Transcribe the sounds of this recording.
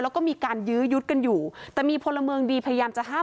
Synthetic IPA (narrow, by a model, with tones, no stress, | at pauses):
lɛː˦˥wkɔː˥˩miː˧kaː˧njɯː˦˥ju˦˥t̪̚ka˧njuː˨˩t̪ɛː˨˩miː˧pʰo˧nlːa˧mɯː˧əŋdiː˧pʰa˧ja˧jaː˧mt͡ɕa˨˩ʔɦaː˥˩